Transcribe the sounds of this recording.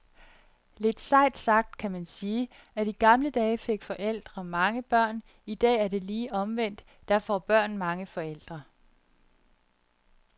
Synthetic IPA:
le̝d̥sɑ̈ɪ̰d̥sɑ̈ɡ̥̚d̥kʰæmænsiː | æd̥iɡ̥ɑ̈mləd̥ɛːfe̝ɡ̥fɒ̽ʔel̰d̥ʁɐmɑ̈ŋəb̥ɶɐ̰n | id̥ɛ̰ːæɐde̝liːʔɒ̽mʋen̰d̥ːæɐ̰fɒb̥ɶɐ̰nmɑ̈ŋəfɒ̽el̰d̥ʁɐ

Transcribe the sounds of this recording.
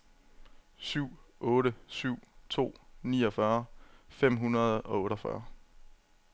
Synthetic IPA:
syʊ̰ɔ̽ːɾəsyʊ̰t͡sʰo̝̰ːniːɒ̽fɶɐfem̰ɦunɐð̞ˠɒ̽ɔ̽ːɾɒfɶ̰ɐ

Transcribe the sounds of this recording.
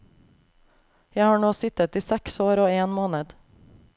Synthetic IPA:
jæɪhɑːɳoːsɪt̪ət̪iːsɛksoːɾoːeːnmoːnəd̪

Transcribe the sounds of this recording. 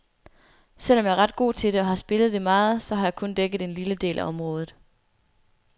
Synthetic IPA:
sel̰ɒ̽mjɑ̈æɐʁɑ̈d̥̚ɡ̥o̝̰ːt͡sʰe̝ɾ̥e̝ɒ̽hɑ̈sb̥e̝ləð̞̩ˠd̥e̝mɑ̈ːð̞̩ˠsɒ̽ɦɑ̈jɑ̈kʰɔ̽nd̥eɡ̥ð̞̩ˠe̝nliləd̥e̝̰ːlʔæʔɒ̽mʁɔ̽ːð̞ˠð̩ˠ

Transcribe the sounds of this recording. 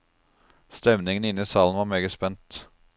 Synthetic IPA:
st̪ɛmnɪŋənɪniːsɑːln̩ʋɑːmeːɡəspɛnt̪

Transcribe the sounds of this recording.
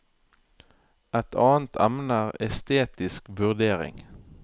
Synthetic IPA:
ɛt̪ʰɑːn̩t̪ʰæmnəʁɛst̪eːt̪ɪskʋʉʁd̪eːʁɪ̰ŋ

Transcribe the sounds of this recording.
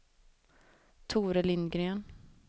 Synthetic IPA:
t̪ʰuːɾəlɪnd̪ɡɾøːn

